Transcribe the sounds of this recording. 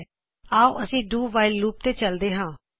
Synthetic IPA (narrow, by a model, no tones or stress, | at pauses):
aːoʔəsĩːɖuːʋaːɪllːuːp̚t̪eːt͡ʃəld̪eːɦãː